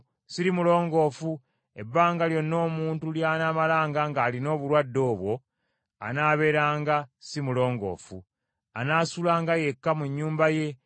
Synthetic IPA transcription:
siɾimulo̞ːŋɡo̞ːfu | e̞bːaːŋɡaljo̞nːo̞ːmuːntuljaːnaːmalaːŋɡaŋɡaːlino̞ːβuɾwadːo̞ːβwo̞ | a̰naːβe̞ːɾaːŋɡasimulo̞ːŋɡo̞̰ːfṵ | anaːsulaːŋɡaje̞kːamuɲːuːmbaje̞

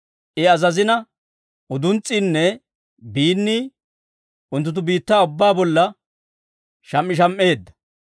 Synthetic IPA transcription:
ʔɪɐzɐzɪnɐ | ʊd̪ʊnt͡sʼiːnːɛ | biːnːiː | ʊnt̪ːʊt̪̬ːʊbiːt̪ːaːʊbːaːbɔlːɐ | ʃɐmːɪʃ̬ɐmʔe̞ːd̪ːɐ̥

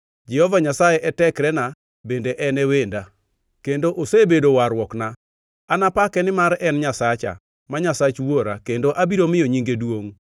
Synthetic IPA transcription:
d͡ʒɛhɔvaɲasajeʔɛtɛkɾɛna | bendeʔɛnɛwenda | kendoʔosebedowaɾwɔkna | anapakɛnɪmaɾɛnɲasat͡ʃa̰ | maɲasat͡ʃwoɾakendoʔabiɾomɪjoɲiŋɡedwoŋ

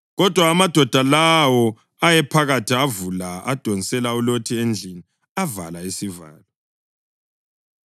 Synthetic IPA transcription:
ɣɔd̥ʱwaːmad̥ʱɔd̥ʱalawɔ | ajɛpʰaɣatʰiavulaa̰d̥ʱonisɛlaulotʰiend͡ɮʱini | ava̰laisiva̰ːlɔ

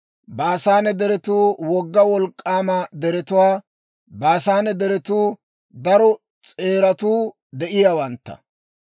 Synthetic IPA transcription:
baːsaːnɛd̪ɛɾɛt̪uːwɔɡːɐwɔlkʼːaːmɐd̪ɛɾɛt̪ʊwaː | baːsaːnɛd̪ɛɾɛt̪uː | d̪ɐɾɔ | t͡sʼe̞ːɾɐt̪uː | d̪ɛʔɪjaːwɐnt̪ːɐ̰

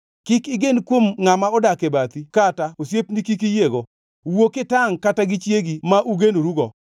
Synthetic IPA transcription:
kɪkɪɡenkwomŋamaɔdakebat̪ikataosjepnikik̬ijeɡo | wokɪtaŋkataɡit͡ʃjeɡimaʔuɡenoɾuɡɔ

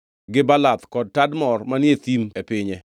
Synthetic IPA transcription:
ɡɪbalat̪kɔd̚tadmɔrmanjet̪imepɪɲɛ

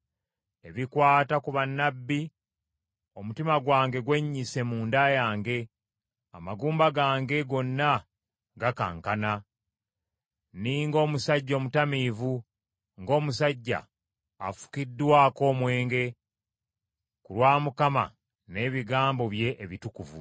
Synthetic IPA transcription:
e̞βikwaːtakuβanːabːi | o̞mutimaɡwaːŋɡe̞ɡwe̞ɲːise̞muːndajaːŋɡe̞ | amaɡuːmbaɡaːŋɡe̞ɡo̞nːa | ɡaka̰ŋkana | niːŋɡo̞ːmusaɟːo̞ːmutamiːvu | ŋɡo̞ːmusaɟːa̰ | afu̥kidːwaːko̞ːmwe̞ːŋɡe̞ | kulwaːmukama̰ | ne̞ːβiɡaːmbo̞βje̞ʔːβitukuvṵ

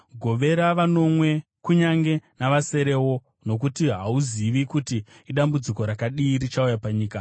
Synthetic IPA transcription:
ɡʱo̞ʋe̞ɾaʋano̞mwe̞ | kuɲaŋɡe̞naʋase̞ɾe̞wo̞ | no̞k̬utiɦauziʋikutiː | ɗambud͡ziko̞ɾakaɗiːɾit͡ʃaujapaɲiːka

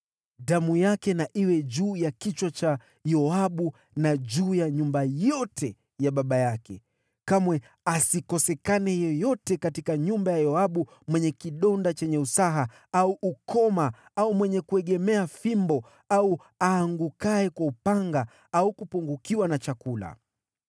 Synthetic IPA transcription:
damujakɛnaʔiwɛʄuːjakit͡ʃwat͡ʃa | jɔaɓu | naʄuːjaɲumbajɔtʰɛ | jaɓaɓajakɛ̰ | kamwɛ | asikɔsɛkanɛjɔjɔtɛkatikaɲumbajajɔaɓu | mwɛɲɛkiɗɔndat͡ʃɛɲɛusaɦa | auʔukʰɔma | aumwɛɲɛkuɛɠɛmɛafimbɔ | au | aːŋɡukaɛkwaupaŋɡa | aukupuŋɡukiwanat͡ʃakula̰

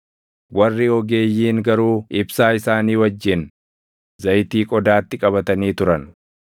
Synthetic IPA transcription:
wɐrːɪɔɡe̞ːjːiːŋɡɐɾuːʔɪbsaːɪsaːniːwɐd͡ʒːɪn | zɐjt̪iːkʼɔd̪aːt̪ːɪkʼɐbɐt̪ɐniːt̪ʊɾɐn

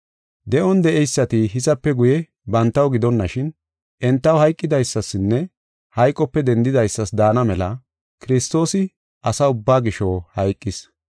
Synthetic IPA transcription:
d̪ɛʔɔnd̪ɛʔɛjsːɐt̪ɪɦɪzɐpːɛɡʊjɛ | bɐnt̪ːɐwɡɪd̪ɔnːɐʃɪn | ʔɛnt̪ːɐwhɐjkʼːɪd̪ɐjsːɐsːɪnːɛ | hɐjkʼːɔpːɛd̪ɛnd̪ɪd̪ɐjsːɐsd̪aːnɐmɛlɐ | kɪɾɪst̪o̞ːsɪ | ʔɐsɐʊbːaːɡɪʃɔwhɐjkʼːɪs

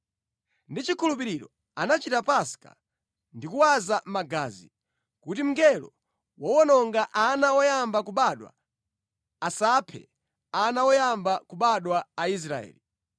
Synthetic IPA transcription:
ndit͡ʃikʰulup̬iɾiɾɔ̰ | anat͡ʃitapaska̰ | ndikuwazamaɡa̰ːzi | kutim̩ŋɡɛlɔ̰ | wɔwɔnɔŋɡaʔanawɔjambak̬uɓaɗwa̰ː | sapʰɛ̰ | anawɔjambakuɓaɗwaːis̬ɾa̰ɛ̰ːli

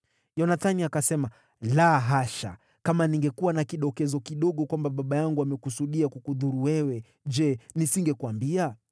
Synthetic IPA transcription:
jɔnaθaniakasɛma | laɦaʃa̰ | kamaniŋɡɛkuwanakiɗɔkɛzɔkiɗɔɠɔkwambaɓaɓajaŋɡuamɛkusuɗiakukuðuɾuwɛwɛ | d͡ʒɛnisiŋɡɛkuambia

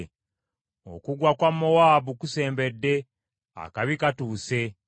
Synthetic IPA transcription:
o̰kuɡwakwamːowaːβukuse̞ːmbe̞dːe̞ | a̰kaβikatuːse̞

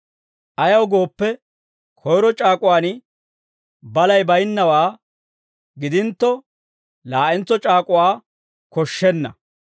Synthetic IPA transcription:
ʔɐjɐwɡo̞ːpːɛ | kʰɔjɾɔt͡ʃʼaːkʼʊwaːn | bɐlɐjbɐjnːɐwaː | ɡɪd̪ɪnt̪ːɔ | laːʔɛnt͡sːɔt͡ʃʼaːkʼʊwaː | kɔʃːɛnːɐ̰

